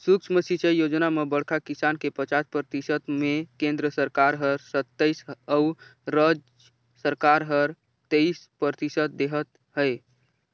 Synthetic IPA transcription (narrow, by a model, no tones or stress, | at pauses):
suk̚t͡ʃʰməsit͡ʃəjjod͡ʒnamebəɽkʰakisankepət͡ʃaspɾət̪isət̪mekẽnd̪ɾəsəɾkaɾɦəɾsət̪ːəjsəuɾəd͡ʒ | səɾkaɾɦəɾ | t̪eispəɾt̪isət̪̚d̪eɦət̪ | ɦəj